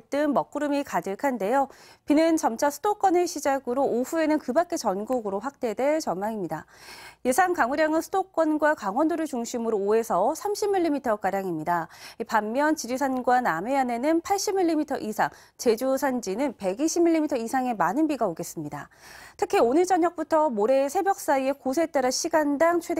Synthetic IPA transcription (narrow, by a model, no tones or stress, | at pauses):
t͈ɯnmʌk͈̚uɾɯmikadɯɭkʰande̞jopinɯnt͡ɕʌmt͡ɕʰasʰɯdok͈ʌneɕʰid͡ʑaɡɯɾoʔoɸue̞nɯnkɯbak͈e̞t͡ɕʌnɡuɡɯɾoɸwak̚t͈e̞dwe̞ɭt͡ɕʌnmaŋimɲidaje̞sʰaŋkaŋuɾjaŋɯnsʰɯdok͈wʌnɡwakaŋwʌndoɾɯɭt͡ɕuŋɕʰimɯɾoːe̞sʰʌsʰamɕʰimːiʎːimitʰʌk͈aɾjaŋimɲidaipamːjʌnt͡ɕiɾis̬ʰanɡwaname̞ane̞nɯnpʰaɭɕ͈imːiʎːimitʰʌ̰ʔisʰaŋ | t͡ɕe̞d͡ʑusʰand͡ʑinɯnpe̞ɡiɕʰimːiʎːimitʰʌisʰaŋe̞manɯnbiɡaoɡe̞s͈ɯmɲida̰tʰɯkʰionɯɭt͡ɕ͈ʌɲʌk̚p͈utʰʌmoɾe̞sʰe̞bjʌk̚s͈aie̞kosʰe̞t͈aɾaɕʰiɡandaŋt͡ɕʰwe̞d